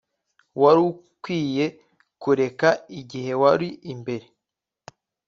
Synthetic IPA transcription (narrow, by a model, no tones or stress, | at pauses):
waɾu | kwiːje̞ | kuɾe̞kaiɟihe̞waɾiʔimbe̞ɾe